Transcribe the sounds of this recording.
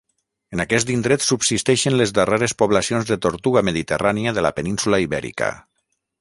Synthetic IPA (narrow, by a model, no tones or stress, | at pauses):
ənakɛs̬t̪ind̪ɾet̪subsist̪ɛʃənlezðəreɾespoβlasionzðət̪oɾt̪uɣaməðit̪əraniəðəla̰pəninsulaiβɛ̰ɾḭkə̰